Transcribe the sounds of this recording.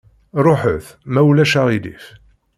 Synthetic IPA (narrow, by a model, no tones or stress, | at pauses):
ɾˤoħəθ | mæwlæʃaʁid̪ḭf